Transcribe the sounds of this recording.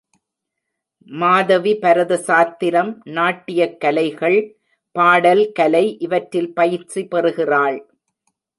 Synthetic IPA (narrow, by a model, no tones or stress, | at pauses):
maːðɐʋipɐɾɐðɯsaːt̪ːɪɾɐmnaːʈːɪjɐkːɐlɐɪɣɐɭ | paːɽɐlkɐlɐɪʔɪʋɐʈɾɪlpɐjɪʈripɛrɯɣɪraːɭ